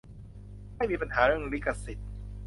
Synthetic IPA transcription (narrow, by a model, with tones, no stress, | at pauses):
ka˥˩jmiː˧pa˧nhaː˩˦ɾɯ˥˩ə˨ŋli˦˥˩ka˧si˨˩t̪̚